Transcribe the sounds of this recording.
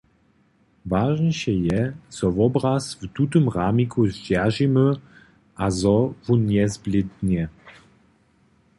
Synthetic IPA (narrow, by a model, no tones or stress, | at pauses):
vaʒnəɕɛjɛz̥ɔvɔbɾasvt̪ut̪ɨmʁamʲikʰuɕd͡ʑɛʒimɘ | ʔazɔvuɲɛzblʲɪt̪ɲɛ